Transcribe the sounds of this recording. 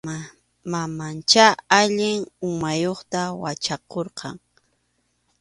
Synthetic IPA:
mamant͡ʃaaʎɪŋʊŋmajoχt̪awat͡ʃɑqoɾqɑŋ

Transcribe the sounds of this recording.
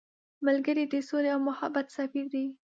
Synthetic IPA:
malɡəɾid̪əsoleawmʊhabat̪safiɾd̪i

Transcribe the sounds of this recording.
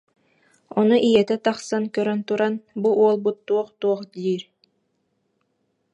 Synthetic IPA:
ɔnuʔijɛt̪ɛt̪ɑχsankœɾœnt̪uɾanbuʔuɔlˠbut̪ːuɔχt̪uɔχd̪iːɾ

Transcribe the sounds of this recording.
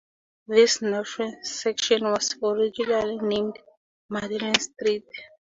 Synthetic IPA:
ðisnaʃɛ̃nsɛkʃɔ̃nwɔsɔɹid͡ʒulalinẽmd | madɛlɛ̃nstɹit

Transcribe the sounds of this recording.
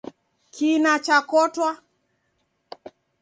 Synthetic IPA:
kʰinat͡ʃakɔtwa

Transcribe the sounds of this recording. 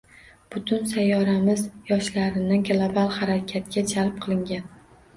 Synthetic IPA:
b̥ʊt̪ʰʊnsajːɒɾamɪzjɒʃlaɾɪnɪɡlˠobalˠhaɾakʲʰat̪kʲad͡ʒalˠp̚qʰɨlˠɪŋɡʲan

